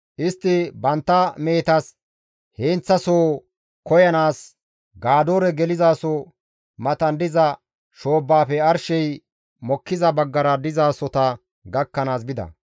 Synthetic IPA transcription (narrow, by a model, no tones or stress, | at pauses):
ʔɪst̪ːɪbɐnt̪ːɐme̞ːt̪ɐs | heːnt͡sːɐsoː | kɔjɐnaːs | ɡaːd̪oːɾɛɡɛlɪzaːsɔ | mɐt̪ɐnd̪ɪzɐ | ʃo̞ːbːaːpɛɐɾʃɛj | mɔkːɪzɐbɐɡːɐɾɐd̪ɪzaːsɔt̪ɐ | ɡɐkːɐnaːsbɪd̪ɐ̰